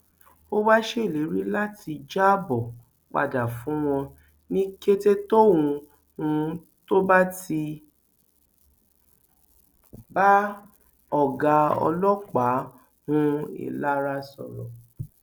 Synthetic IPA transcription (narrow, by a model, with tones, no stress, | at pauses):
o˦wa˦ʃe˦i˦˨le˨˦ɾi˦la˦tʰi˧d͡ʒa˦bɔ˨ | k͡pa̰˨da˨fũ˨˦w̃ɔ̃˧ | nĩ˦ke˦te˦to˦wũ˧ | ũ˧ | to˦ba˦ti˧ | ba˦ | ɔ˨ɡa˧ɔ̰˧lɔ˦k͡pa˨˦ | hũ˦ḭ˨la˦˧ɾa˧˦sɔ̰˨ɾɔ̰˨